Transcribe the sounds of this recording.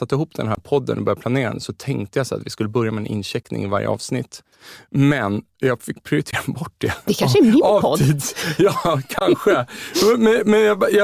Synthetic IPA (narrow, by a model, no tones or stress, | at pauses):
at̪ːɪɦuːpːd̪ɛ̰nɦæːɾpʰɔd̪ːə̰nɔbœɾjapʰlaneːɾa̰nd̪əsɔt̪ʰɛŋk̚t̪əjasa̰t̪vɪskɵlːəbœɾjamɛːnʔɪ̰nːɕɛknɪ̰ŋɪva̰ɾjə̰ʔɑ̰ːvsnɪt̪ː | mɛn | jɑɡfɪkːpʰɾɪʊɾɪt̪ʰeːɾanbɔʈ̚ːd̪ɛd̪ɛkʰaʂɛmɪɑiːd̪sjɑːkʰanɧəmɛnmɛnjɑbjɑ